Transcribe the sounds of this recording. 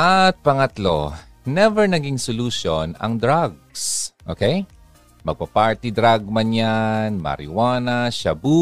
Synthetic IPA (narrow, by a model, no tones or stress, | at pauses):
ʔɐt̪̚pɐŋɐt̪lo̰ | nɛvɛɹnɐɡiŋsʊluʃonɐ̰ŋd̪ɹaɡ̚sʔo̰ːkej | mɐɡ̚pɐpaɹt̪id̪ɾaɡ̚mɐnjanmɐ̰ɾɪ̰waːnɐʃɐbu